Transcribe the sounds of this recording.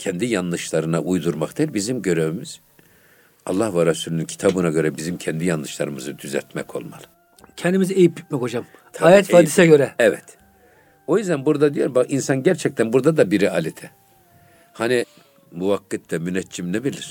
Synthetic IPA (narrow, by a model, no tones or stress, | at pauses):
cʰɛnd̪ijanlːˠɯʃlˠaɾɯnaʔujd̪uɾmakd̪eilʲbizimɟø̞ɾøymyz̥ | ɑ̰lˠːahvaɾɛsuːlʲynincʰi̥t̪ʰabɯnaɟø̞ɾɛbizimcʰɛnd̪ijanlˠɯʃlˠaɾɯmɯzɯd̪yzɛ̰ɾt̪mɛkʰo̞̰lˠma̰lˠɯ̥ | cʰɛnd̪imiziejipbi̥t̪̚mɛko̞d͡ʒam | t̪ʰaaːjɛt̪faːdisɛɟøɾɛɛvɛt̪ | o̞jyzd̪ænbuɾd̪ad̪ijoɾbakinsanɟæɾt͡ʃʰɛc̚t̪ʰænbuɾd̪ad̪abiɾialʲit̪ʰɛ | hani | muvakːɯt̪ːɛmynɛt͡ʃʰːimnebilʲiɾ̥